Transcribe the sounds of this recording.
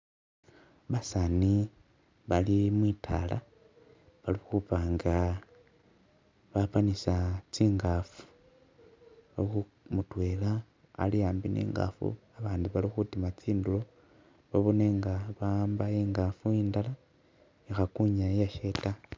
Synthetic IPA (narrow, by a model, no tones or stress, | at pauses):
βasani | βalimwiːtʰa̰la̰ | βalixupaːŋɡa | βapanisat͡siːŋɡafu̥ | alixu | mutwe̞la̰ː | lijaːmbinḭːŋɡa̰fṵaβaːndiβalixutimat͡siːndulo̞ | βaβoneŋɡaβambaiːŋɡafuiːndala | ixakuɲajaʃe̞ta